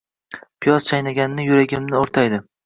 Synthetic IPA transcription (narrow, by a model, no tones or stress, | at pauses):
pʰɪjɒz̥t͡ʃʰajnaɡʲanɪnɪjʊɾaɡʲɪmnɪoɾt̪ʰajd̪ɪ